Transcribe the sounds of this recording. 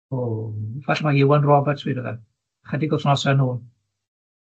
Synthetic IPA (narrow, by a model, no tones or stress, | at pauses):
ovaɬmaɪwɛnrɔvɛtʰwiːdəðɛ̰ | χədiɡɔsnɔsɛnuːn